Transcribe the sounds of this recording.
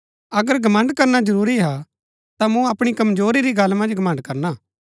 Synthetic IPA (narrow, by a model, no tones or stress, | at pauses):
ɐɡəɾɡʱɐmɐ̃ɳɖkɐɾnad͡ʒɐɾuːɾiɦa | t̪amũɐpɽ̃ikɐmzoːɾiɾiɡɐlmɐ̃nd͡ʒɡʱɐmɐ̃ɳɖkɐɾnaː